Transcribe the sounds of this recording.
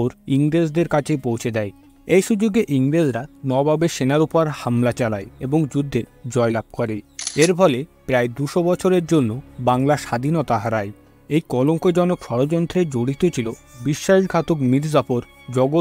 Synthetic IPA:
oɾiŋɾed͡ʑd̪eɾkat͡ɕʰepowt͡ɕʰed̪ɛj | ejʃud͡ʑoɡeʔiŋɾed͡ʑɾanɔbabeʃenaɾupoɾhamlat͡ɕalaeeboŋd͡ʑud̪ʱːeɾd͡ʑɔelab̚kɔɾeeɾpʰɔlepɾaed̪uʃobɔt͡ɕʰoɾeɾd͡ʑonːobaŋlaʃad̪ʱinot̪aɦaɾae | ejkɔloŋkod͡ʑɔnokʃɔɾod͡ʑɔnt̪ʰɾed͡ʑoɽit̪ot͡ɕʰilobiʃːaikʰat̪okmiɾd͡ʑapoɾ | d͡ʑɔɡo

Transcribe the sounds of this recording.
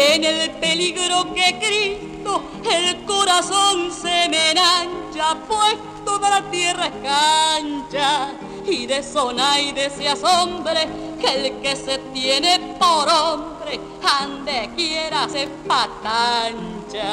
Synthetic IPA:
enelpeliɣɾokekɾist̪o | elkoɾasonsemenaɲt͡ʃapwest̪opaɾat̪jeraekant͡ʃa | iðesonajðeseasombɾekelkeset̪jenepoɾombɾe | and̪ekjeɾasepat̪ant͡ʃa

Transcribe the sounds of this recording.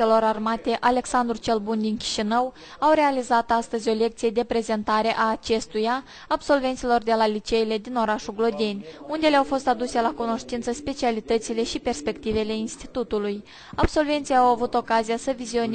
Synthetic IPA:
elo̞ɾarmat̪e̞ʔale̞ksand̪ɾut͡ʃe̞lbund̪inkʲi̥ʃinəw | awɾe̞alizat̪ast̪əzʲo̞le̞k̚t̪sije̞d̪e̞pɾe̞ze̞nt̪aɾe̞ʔaːt͡ʃe̞st̪ujaː | bso̞lve̞nsilo̞rd̪e̞lalit͡ʃe̞ile̞d̪ino̞ɾaʃuɡlo̞d̪ʲe̞nʲund̪e̞leawfo̞st̪ad̪use̞lakuno̞ʃt̪int̪səspe̞t͡ʃialit̪ət̪sile̞ʃipe̞rspe̞kt̪ive̞le̞inst̪i̥t̪ut̪uluj | abso̞lve̞nt̪sijawavut̪o̞kazijasəvizio̞n

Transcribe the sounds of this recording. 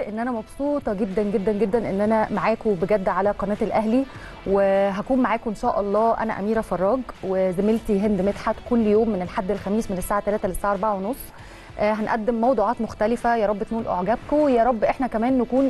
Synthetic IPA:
ʔenːʔænæmɑbsˤuːt̪ˤɑɡed̪ːænɡed̪ːænɡed̪ːænʔḛnːʔænæmaʕaːkobeɡæd̪ːʕalæqɑnæːt̪elʔæɦli | weɦækuːmmaʕaːkʔenʃæːʔɑlˤːɑːʔæ̰næ̰ʔæ̰miːɾæfɑrˤːɑːɡwezemelt̪iɦend̪met̪ħat̪kolːjoːmːenelħad̪ːelxæmiːsmenesːaːʕat̪ːælæːt̪ælesːaːʕʔɑɾˤbaʕawenosˤː | ʔɦænʔæd̪ːemːɑwd̪ˤuːʕɑːt̪moxt̪ælɪfæjɑːɾˤɑbːet̪nuːlʔo̰ʕɡæbkojæːɾˤɑbːʔeħnækæmæːnːækuːn

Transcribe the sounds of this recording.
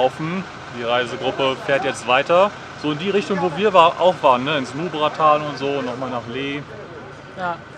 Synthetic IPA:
ʊfn̩ | d̥iːʁaɪzəɡʁʊpəfeːɐtjɛt͡stv̥aɪtɐ | z̥oːɪndiːʁɪçtʊŋvoːviːɐvaːʔa̰ʊxv̥aːʁənːəɪnsnuːbʁatʰaːlʊntz̥oːnːɔχmaːlnaːχleː | ja

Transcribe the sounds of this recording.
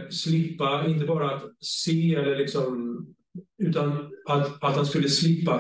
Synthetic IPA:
slɪpːaɪnt̪̬əbɑːɾaːt̪seːɛlːəɭɪksɔm | ʉ̟ːt̪anat̪at̪hanskɵlːəslɪpːa

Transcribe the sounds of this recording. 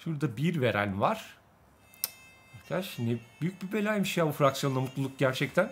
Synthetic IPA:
ʃuɾd̪abiɾve̞ɾæ̰nvaɾ̥ | aɾkʰad̪aʃhind̪ɪb̥yjyc̚bibelʲajmiʃjaːbufɾaksjonamut̪lˠulˠuk̚ɟæɾt͡ʃʰɛct̪ʰæn

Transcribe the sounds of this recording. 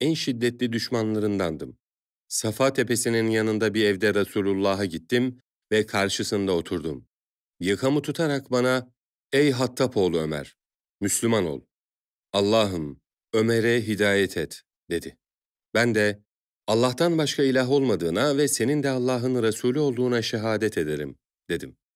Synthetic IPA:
ænʃid̪ːɛt̪lʲid̪yʃmanlˠaɾɯnd̪and̪ɯm | safat̪ʰe̞pe̞sininjanɯnd̪abiɾɛvd̪ɛɾasuːlʲulˠːaːɦaɟit̪ʰːim | vɛkʰaɾʃɯsɯnd̪ao̞t̪ʰuɾd̪um | jakʰamɯt̪ʰut̪ʰaɾakbana | ɛjɦat̪ʰːapʰo̞ːlˠuø̞̰mæ̰ɾ̥ | myslʲymano̞̰lˠ | alˠːaːɦɯm | ø̞meɾɛɦid̪aːjɛt̪ʰɛt̪ | d̪̥e̞d̪i | bænd̪ɛ | alˠːaht̪anbaʃkʰailʲaɦo̞lˠmad̪ɯːnavɛse̞nind̪ɛalˠːaːɦɯnɾasuːlʲyo̞lˠd̪uːnaʃɛɦaːd̪ɛt̪ʰe̞d̪eɾḭm | d̪̥e̞d̪im

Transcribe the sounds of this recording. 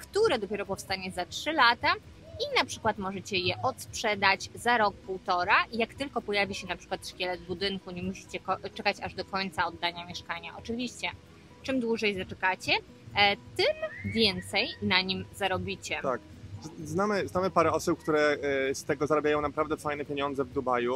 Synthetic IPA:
kt̪uɾɛd̪ɔpʲɛɾɔpɔfst̪aɲɛzatʂɘlat̪a | inapʂɘ̥kwat̪mɔʐɛt͡ɕɛjɛʔɔt̪spʂɛd̪ad͡ʑzaɾɔk̚puwt̪ɔɾajakt̪ɘlkɔpɔjavʲiɕɛnapʂɘ̥kwat̪ʂkʲɛlɛbud̪ɘnkuɲɛmuɕi̥t͡ɕɛkɔt͡ʂɛkat͡ɕaʐd̪ɔkɔɲt̪saɔd̪ːaɲamʲjɛʂkaɲaʔɔt͡ʂɘvʲiɕt͡ɕɛ | t͡ʂɛmd̪wuʐɛjzat͡ʂɛkat͡ɕɛ | t̪ɘmvʲjɛnt̪sɛjnaɲimzaɾɔbʲit͡ɕɛt̪ak̚ | znamɘznamɘpaɾɛɔsup̚kt̪uɾɛst̪ɛɡɔzaɾabʲjajɔ̃w̃napɾavd̪ɛfajnɛpʲjeɲɔnd̪zɛvd̪ubaju

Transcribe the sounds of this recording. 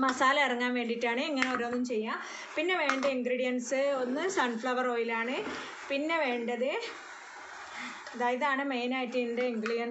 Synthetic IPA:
mɐsaːlɐɐrɐŋːaːnʋe̞ːɳɖiʈːaːɳɨiŋːɐneoɾoːnːumt͡ɕe̞jːaː | pinːe̞ʋe̞ːɳɖɐiŋɡriːɽijɐnsɨo̞nːɨsɐɳfɭɐʋɐroːjilaːɳɨ | pinːe̞ʋe̞ːɳɖɐðɨ | ɐd̪aːjɐðaːɳɨmejnaːjitːɨendeiŋɡɾiːɽijɐn

